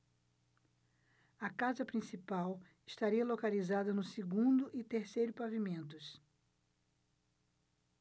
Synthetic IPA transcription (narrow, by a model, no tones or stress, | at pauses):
ɐkazɐpɾĩsipaw | ɪst̪aɾiɐlokalizad̪ɐnʊseɡũnd̪ʊʔɪt̪eɾsejɾʊpavimẽnt̪ʊs